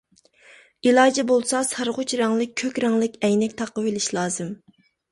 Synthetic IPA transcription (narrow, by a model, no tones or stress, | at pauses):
ilˠɑːd͡ʒɛbolˠsɑsʰɑɾʁʊt͡ʃʰɾɑŋlˠɨk̚ʲʰːøkʲɾɑŋlˠɪkʲɛjnɛkʲt̪ʰɑqːəwelɪʃlˠɑːzɨm